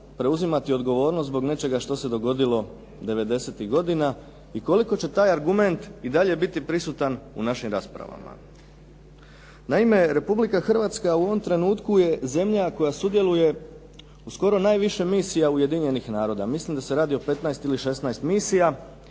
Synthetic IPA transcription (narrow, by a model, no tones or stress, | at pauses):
pɾe̞uzimat̪io̞d̪ɡo̞ʋo̞ːɾnost̪bo̞ɡne̞t͡ʃe̞ɡaʃt̪o̞se̞d̪o̞ɡo̞d̪ilo̞ | d̪e̞ʋe̞d̪e̞set̪iɣɡo̞d̪ina | iko̞liko̞t͡ɕe̞t̪aːjaɾɡume̞nt̪id̪aʎe̞bit̪ipɾisut̪anṵnaʃimɾaspɾa̰ʋa̰ma̰ | naime̞ɾe̞publikaxr̩ʋat̪skauo̞ʋo̞mt̪ɾe̞nuːt̪kuje̞ze̞mʎako̞jasud̪je̞lˠuje̞ | usko̞ɾo̞naːjʋiʃe̞miːsijaujed̪iɲe̞nixnaːɾo̞d̪amislimd̪ase̞ɾaːd̪io̞pe̞t̪najst̪iliʃe̞snajst̪misija